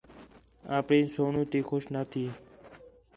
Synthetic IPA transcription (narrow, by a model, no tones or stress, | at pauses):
aːpɽĩːsoːɳũːt̪iːxʰʊʃnaːt̪ʰiː